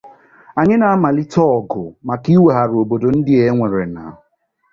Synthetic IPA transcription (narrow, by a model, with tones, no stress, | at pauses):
a˨ɲɪ˦na˨a˦ma˨lɪ˦tɔ˦ɔ˨ɡʊ̰˨ma˨ki˦we˨ɦa˨ɾo˨bo˨do˨n̩˦dɪ˦e˦ŋʷe˨ɾe˨na̰˨ɦʊ˨